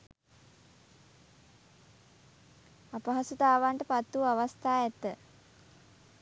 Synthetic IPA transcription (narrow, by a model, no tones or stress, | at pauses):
apəɦasut̪aːʋaɳʈəpat̪ːuaʋast̪aːɛt̪ːə